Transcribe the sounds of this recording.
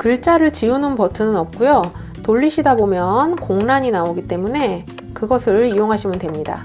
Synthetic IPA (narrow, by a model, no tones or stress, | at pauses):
kɯɭt͡ɕ͈aɾɯɭt͡ɕiunɯnpʌtʰɯnɯnʌp̚k͈ujo | toʎːiɕʰidabomjʌnkoŋnaɲinaoɡit͈e̞mune̞ | kɯɡʌsʰɯɭijoŋɦaɕʰimɯndwe̞mɲida̰